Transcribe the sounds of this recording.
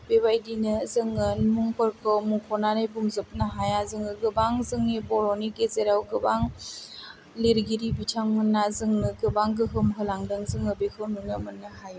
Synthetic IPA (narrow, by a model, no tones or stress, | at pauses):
b̥ebajdinɯzɯŋɯnmuŋpɯɾkʰɯmuŋkʰɔnanɯjbuŋzɯp̚nɯɦajazɯŋɯɡɯbaŋzɯŋibɔɾɔniɡezeɾawɡɯbaŋ | leɾɡiɾibitʰamːɯnːazɯŋnɯɡɯbaŋɡɯɦɯmɦɯlaŋdɯŋzɯŋɯbekʰɯwnunɯmɯnːɯhaj